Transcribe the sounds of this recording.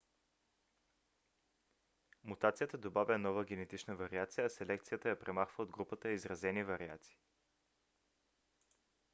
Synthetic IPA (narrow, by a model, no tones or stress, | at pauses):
mut̪at̪sijət̪əd̪obavʲənɔvəɡ̟ʲɛnɛt̪it͡ʃnəvɐɾiat̪sijəːsɛlɛk̚t̪sijət̪əjɐpɾɛmaxvəod̪ɡɾupət̪əizɾɐzɛnivɐɾia̰t̪si̥ː